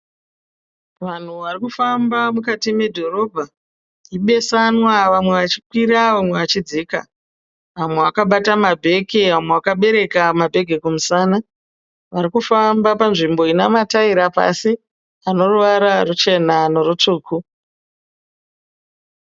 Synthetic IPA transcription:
ʋan̤uʋarikufambamukatime̞dʱo̞ɾo̞bʱa | iɓe̞sanwaʋamwe̞ʋat͡ʃi̥kwiɾaʋamwe̞ʋat͡ʃid͡zika̰ | ʋamwe̞ʋakaɓatamabʱe̞keʋamweʋakaɓe̞ɾe̞kamabʱe̞ɡʱe̞kumusana | ʋaɾikufambapanʐimbo̞inamataiɾapa̰si | ano̞ruʋaɾarut͡ʃe̞nano̞rut͡ʂuːkʰu

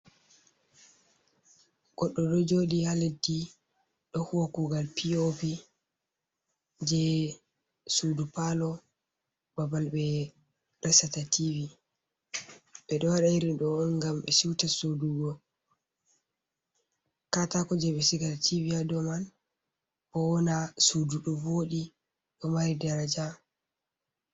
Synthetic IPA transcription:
ɡ̥ɔɗːɔɗɔd͡ʒoɗihaledi | ɗɔhokuɡalpiopi | d͡ʒɛ | sudupalɔ | babalɓɛ | ɾɛsatatʰivi | ɓɛɗɔwaɗajiɾiɗɔnɡamɓɛsiwtasuduɡɔ | katakɔd͡ʒɛɓɛsiɡaltʰiviadɔman | bɔɔnasuduɗɔwoɗi | ɗɔmaɾidaɾad͡ʒa

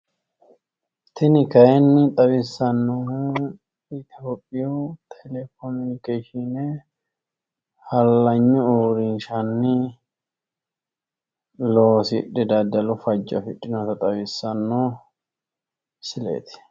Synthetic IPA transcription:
t̪ʰɪnɪkɐjɛnːɪt̪ʼɐβɪsːɐnːohu | ɪt̪ɔpʼːɪjot̪ʰɛlɛkɔmɪnɪkeʃine | hɐlːɐɲːʊoɾɪnʃɐnːɪ | loːsɪᶑːɛd̪ɐd̪ɐlʊfɐd͡ʒːɐ̰fɪᶑːɪnɔt̪ɐt̪ʼɐwɪsːɐnːoː | sɪlḛːt̪ɪ̥

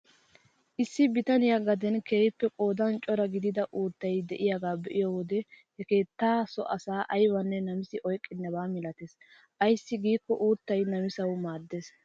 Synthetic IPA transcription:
ʔɪsːɪbɪt̪ɐnɪjaɡɐd̪ɛnkeːjɪpːɛkʼo̞ːd̪ɐnt͡ʃʼɔɾɐɡɪd̪ɪd̪ɐʔuːt̪ːɐjd̪ɛʔɪjaɡaːbɛʔɪjowɔd̪ɛhɛke̞ːt̪ːaːsɔ̰ʔɐsaːʔɐjwɐnːɛnɐmɪsɪʔɔjkʼːɪnːɐbaːmɪlɐt̪es | ʔɐjsːɪɡiːkːɔʔuːt̪ːɐjnɐmɪsɐwmaːd̪ːeːs

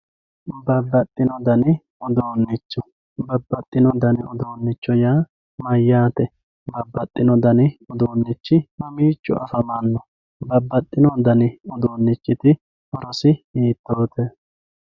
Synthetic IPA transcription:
bɐbːɐt̪ʼːɪnɔd̪ɐnɪ | ɔd̪oːnːɪt͡ʃːɔ | bɐbːɐt̪ʼːɪnɔd̪ɐnɪɔd̪oːnːɪt͡ʃːɔjaː | mɐjːaːt̪ɛ | bɐbːɐt̪ʼːɪnɔd̪ɐnɪɔd̪oːnːɪt͡ʃːɪmɐmiːt͡ʃʼːʊ̰ʔɐ̰fɐmanːɔ | bɐbːɐt̪ʼːɪnɔd̪ɐnɪɔd̪oːnːɪt͡ʃːɪt̪ɪ | ʔɔɾɔsɪiːt̪ːoːt̪ɛ

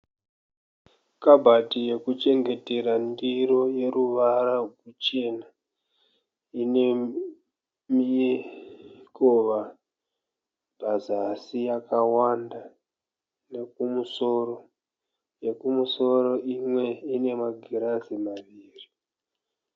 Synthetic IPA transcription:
kabʱatije̞kut͡ʃe̞ŋɡe̞te̞ɾandiɾo̞je̞ɾuʋaɾaɡut͡ʃe̞na | ine̞ | mi | koʋa | bʱazasijakawanda | ne̞k̚umuso̞ro | je̞kumuso̞ɾo̞ʔimwe̞ine̞maɡʱiɾazimaʋiːri

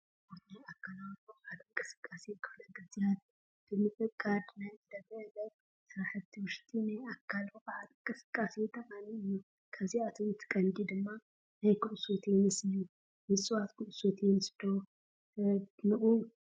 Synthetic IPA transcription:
bʰoɾt̪najakʰːalawboʕat̪ɨŋkʼɨsɨ̥kʼːasijɛkʰɨflɐɡɨzijat̪ | b̥ɨmɨtʼɨkʼad̪najɨd̪ɐbɨlɐ | sɐɾaħɨt̪ʰːiwʊʃt̪ʼinajʔakʰːalboʔʼʕat̪ɨŋkʼɨsɨ̥kʼːasijɛt̪ʰɐqʼaniɨjːu | kʰɐβziat̪ʰomt̪ʰːɨ̥kʼɐnd̪id̪ɨmːa | najkʰɨʔsot̪ʰjɛmɨsliju | mɨsʼɨwat̪kʰɨʔsot̪ʰjɛnɨsd̪̥o | nɨʔu

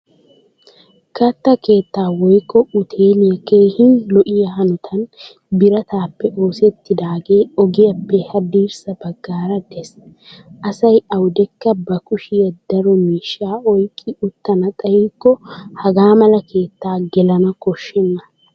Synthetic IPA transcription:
kɐt̪ːɐke̞ːt̪ːaːwɔjkʼːɔʊt̪ʰeːlɪjɐkeːhɪnlɔʔɪjɐhɐnɔt̪ʰɐn | bɪɾɐt̪aːpːɛʔo̞ːsɛt̪ːɪd̪aːɡe̞ːɔɡɪjɐpːɛhɐb̪iːɾsɐbɐɡːaːɾɐd̪ɛs | ʔɐsɐjɐwʊd̪ɛkːɐbɐkʊʃɪjɐd̪ɐɾɔmiːʃːaːɔjkʼːɪʊt̪ːɐnɐt̪ʼɐjiːkːɔhɐɡaːmɐlɐke̞ːt̪ːaːɡɛlɐnɐkɔʃːɛnːɐ

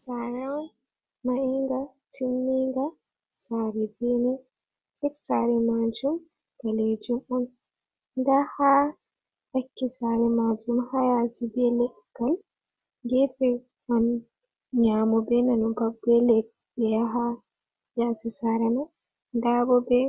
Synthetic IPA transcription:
saɾan | maʔiŋɡatinːiŋɡa | saɾɛbɛnɛ | kɛfsaɾɛmad͡ʒum | kaled͡ʒumɔn | ndaha | hakːisaɾɛmad͡ʒumhajasibɛlɛkːal | ɡɛfɛ | man | ɲamɔbɛnanubabɛlɛ | dɛaɦa | jasisaɾɛma | ndabɔbɛ

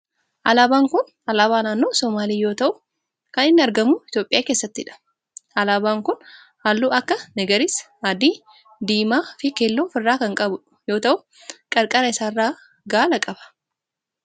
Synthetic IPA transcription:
ʔɐlaːbaːŋkʊn | ɐlaːβaːnaːnːo̞ːsɔmaːliːjoːt̪ɐʔʊ | kɐnɪnːɪɐɾɡɐmʊɪt̪jo̞ːpʼːɪjaːkeːsːɐt̪ːɪᶑɐ̥ | ʔɐlaːbaːŋkʊn | haːlːuːʔɐkːɐnɛɡɐɾɪs | ad̪iː | d̪iːmaːfɪkeːlːoːfɪrːaːkɐŋkʼɐbʊᶑ | jo̞ːt̪ɐʔʊ | kʼɐɾkʼɐɾɐɪsaːrːaː | ɡaːlɐkʼɐbɐ̥

